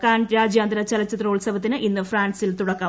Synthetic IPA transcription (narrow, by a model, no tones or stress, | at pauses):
kːaːnɾaːd͡ʑjaːnd̪ɾɐt͡ɕɐlɐt͡ɕːɐt̪roːɭsɐbɐt̪ːinɨʔinːɨfraːnsilt̪uɽɐkːɐ